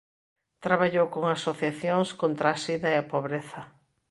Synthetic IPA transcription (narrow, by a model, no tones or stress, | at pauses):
t̪ɾaβaʎowkoŋasoθjaθjoŋskõnt̪ɾaasiðɐeapoβɾeθɐ